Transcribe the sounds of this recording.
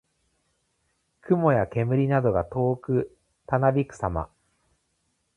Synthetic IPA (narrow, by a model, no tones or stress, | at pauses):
kɯ̟mo̞jake̞mɯ̟ɾʲinad̪o̞ɡat̪o̞ːkɯ̟ | t̪anabʲikɯ̟̥sama̰